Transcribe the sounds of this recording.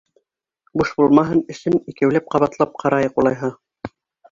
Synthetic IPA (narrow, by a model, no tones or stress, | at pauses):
buʃbulˠmɑɦɤnɘ̆ʃɘnikæwlæp̚qɑβɑt̪lˠɑp̚qʰɑɾɑjɤqulˠɑjɦɤ